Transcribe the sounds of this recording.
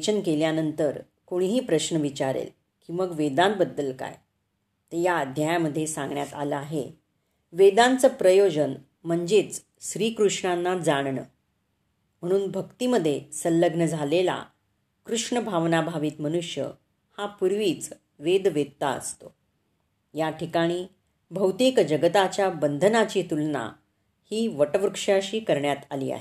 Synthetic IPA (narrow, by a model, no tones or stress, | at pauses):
t͡ɕənkeljanənt̪əɾ | koɽ̃ɦiːpɾəɕnəʋit͡ɕaɾḛl | kĩʋəɡʋed̪anbəd̪ːəlka̰j | t̪əjaəd̪ʱjajaməd̪ʱːjesãŋɡɳjat̪aləaɦe | ʋed̪ãnt͡səpɾəjod͡ʑən | m̤əɳd͡zet͡s | ɕɾiːkɾuʂɳanːad͡zaɽ̃ɳə̰ | m̤əɽ̃uːnbʱəkt̪iːməd̪ʱːjesəlːəɡnəd͡zʱalela̰ | kɾuʂɳəbʱaʋnabʱaʋiːt̪mənuʂjə̰ | hapuɾʋiːt͡s | ʋed̪ʋed̪t̪aə̰st̪o | jaʈʰikaɽ̃iː | bʱəwt̪ikd͡ʑəɡət̪at͡ɕjabənd̪ʱənat͡ɕiːt̪ulna̰ | hiːʋəʈəʋɾukʂjaɕiːkəɾɳjat̪alḭːa̰ɦe